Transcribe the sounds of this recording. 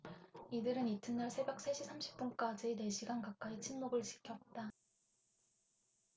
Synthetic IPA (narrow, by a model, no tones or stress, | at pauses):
idɯɾɯnitʰɯnʌɭsʰe̞bjʌk̚s͈ʰeɕʰisʰamɕʰi̥p̚p͈unk͈ad͡ʑine̞ɕʰiɡankak̚k͈ait͡ɕʰinmoɡɯɭt͡ɕi̥kʰjʌt̚t͈a